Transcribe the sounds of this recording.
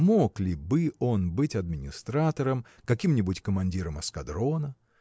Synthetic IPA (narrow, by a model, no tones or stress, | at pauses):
moklʲɪbɨo̞nbɨtʲɐd̪̚mʲɪnʲɪst̪ɾat̪əɾəm | kɐkʲimnʲɪbʊtʲkəmɐnʲdʲiɾəmɐskɐd̪ɾo̞nə